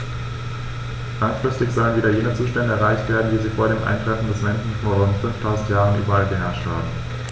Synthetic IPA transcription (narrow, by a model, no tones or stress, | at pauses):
laŋfʁ̥ɪstɪçz̥ɔlənviːdɐjeːnət͡suːʃtɛndəɛɐʁaɪçtv̥eːɐdn̩viːziːfoːɐɾeːmʔa̰ɪntʁ̥ɛfn̩dɛsmɛnʃn̩foːɐʁʊntfʏnftʰaʊzn̩tjaːʁ̞ənʔyːbɐalɡəɦɛɐʃtha̰ːbm̩